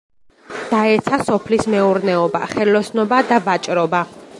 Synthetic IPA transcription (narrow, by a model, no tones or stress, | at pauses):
d̪̥aɛt̪sʰasɔpʰlismɛuɾnɛɔba̰χɛlɔsnɔbad̪avat͡ʃʼɾɔba